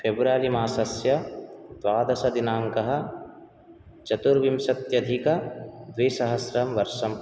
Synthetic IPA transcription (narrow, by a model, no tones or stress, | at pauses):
pʰebɾaːlimaːsɐsjɐd̪ʋaːd̪ɐsɐd̪inaːŋkɐɦɐ̆ | t͡ʃɐt̪uɾʋimsɐt̪jɐd̪ʱikɐd̪ʋiːsɐɦɐsɾɐmʋɐɾʃɐm